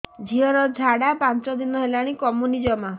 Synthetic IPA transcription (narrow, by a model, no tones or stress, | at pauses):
d͡ʒʱiɦɔɾɔd͡ʒʱaɽapant͡ʃɔd̪inɔɦelaɽ̃ikɔmunid͡ʒɔma